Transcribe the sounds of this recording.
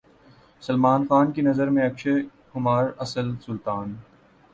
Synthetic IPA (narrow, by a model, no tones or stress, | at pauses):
sɐlmaːnxaːnkinɐzəɾmẽɐkʃe | hʊmaːɾɐsəlsʊlt̪aːn